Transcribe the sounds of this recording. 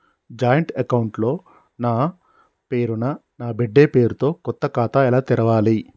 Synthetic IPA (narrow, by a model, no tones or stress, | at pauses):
d͡ʒaːjɐɳʈɐkɐwuɳʈlo̞ː | naː | pe̞ːɾunɐ | naːbeɖːe̞ːpe̞ːɾut̪o̞ːkɔt̪ːɐkaːt̪aːilaːt̪iɾɐʋaːli